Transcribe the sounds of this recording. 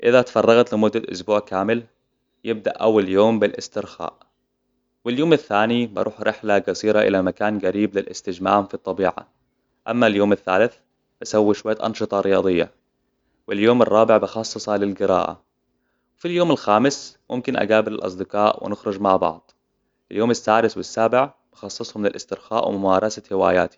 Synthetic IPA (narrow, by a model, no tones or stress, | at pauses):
ʔɪðat̪ḁfɑrˤːɑɣat̪lɪmʊd̪ːalʔʊ̰sbuːʕkaːmɪl | jɪb̚d̪aʔʔawːaljoːmbɪlʔɪst̪ɪɾxa̰ːʔ | wɪljoːmɪθːaːnibɑ̰ɾˤʔuːħɾʔɪħlaɡasiːɾaʔɪ̰lamakaːnɡaɾiːblɪlʔɪst̪ɪd͡ʒmaːmfit̪ˤːɑbiːʕa̰ | ʔamːaljoːmɪθːa̰ːlɪθ | b̥ɪsawːiʃwajːaʔɑ̰nʃɨt̪ˤɑɾɪjɑːd̪ˤɨjːa̰ | wɪljoːmɪrˤːɑːbɪʕbɪxɑsˤːɨsˤhɑlɪlɡɪɾa̰ːʔa̰ | wɪfiljoːmɪlxaːmɪsmʊmkɪnʔa̰ɡaːbɪlɪlʔɑ̰sˤd̪ɪqɑːʔwɪ̰nɪxɾʊd͡ʒmaʕbɑ̰ʕd̪ˤ | ʔɪljoːmɪsːaːd̪ɪswɪsːaːbɪʕ | b̥ɑxɑsˤːɨsˤhʊmlɪlʔɪst̪ɪɾxa̰ːʔwɪmʊmaːɾˤɑsahɪwa̰ːja̰ːt̪i̥